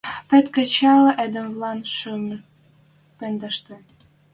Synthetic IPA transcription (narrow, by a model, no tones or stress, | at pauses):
pĕt̪kə̆t͡ɕɑlɤʔed̪ə̆mvlɑnʃym | pend̪ə̆ʃt̪ĕ